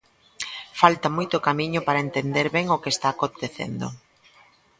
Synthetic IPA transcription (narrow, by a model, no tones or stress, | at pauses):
falt̪amojt̪ʊkamiɲʊpaɾaent̪end̪eɾβɛŋokest̪aːkot̪eθḛnd̪o̰